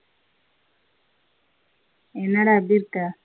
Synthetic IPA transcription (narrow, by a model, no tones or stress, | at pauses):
enaɽabiɾka